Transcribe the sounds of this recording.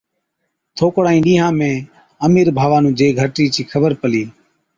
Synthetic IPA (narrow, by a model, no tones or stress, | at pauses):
t̪ʰoːkɽaːĩːɗĩːɦãːmẽː | əmiːɾbʱaːʋaːnũːd͡ʒeːɡʱəʈiːt͡ʃʰiːkʰəbəɾpəliː